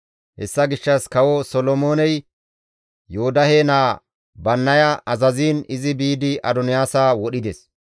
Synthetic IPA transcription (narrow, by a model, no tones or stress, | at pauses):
hɛ̰sːɐɡɪʃːɐskɐwɔsɔlɔmoːnɛj | joːd̪ɐheːnaː | bɐnːɐjɐʔɐzɐziːnɪzɪbiːd̪ɪʔɐd̪ɔnɪjaːsaːwɔɗɪd̪ɛs